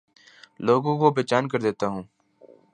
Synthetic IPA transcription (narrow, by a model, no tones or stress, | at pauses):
loːɡõkobeːt͡ʃaːnkəɾd̪eːt̪aɦũː